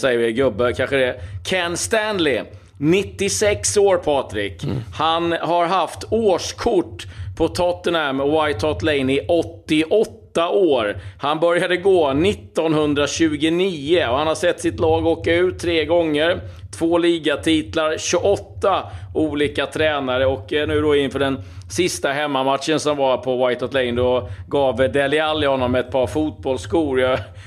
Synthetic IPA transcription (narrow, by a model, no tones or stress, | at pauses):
sɛjːəvɪɡɵbːəkʰanɧəd̪ɛkʰɛnst̪ænlɪ | nɪt̪ːɪsɛksoːɾpʰɑːt̪ɾɪkhanhaɾɦaft̪oːʂkʰʊʈːpʰɔt̪ʰɔt̪ːənæmɔwajt̪ʰːɔt̪lɛɪnɪʔɔt̪ːɪʔɔt̪ːaʔoːɾhanbœɾjad̪əɡoːnɪt̪ːɔnhɵnd̪ɾaɕʉ̟ːɡʊniːəɔhanhasɛt̪ːsɪt̪lɑːɡɔoːkːaʉ̟ːt̪ʰːɾeːɡɔŋːəɾ | t̪ʰv̥oːliːɡat̪ʰiːt̪laɾɕɵʔɔt̪ːauːliːkat̪ʰɾɛːnaɾəɔknʉ̟ːd̪ɔɪnfœːɖɛnsɪst̪aɦɛmːamat̪ʂənsɔmvapʰɔwajt̪ʰɔt̪lɛjnd̪ɔɡɑːvd̪ɛlɪalːɪhɔnːɔmːɛt̪̚pʰɑːɾfuːt̪̚bɔlskuːɾjɑ